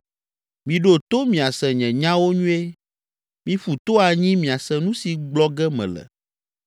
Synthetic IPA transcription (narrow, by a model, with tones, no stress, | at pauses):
mĩ˨ɖo˦˨t̪o˦mĩ˨a˨sɛ˨ɲɛ̃˨ɲã˦wo˦ɲũ˦e˦ | mĩ˦fu˨t̪o˦a˨ɲĩ˦mĩ˨a˨sɛ˨nũ˦si˨ɡ͡blɔ˦ɡɛ˦mɛ̰̃˨lɛ̰˨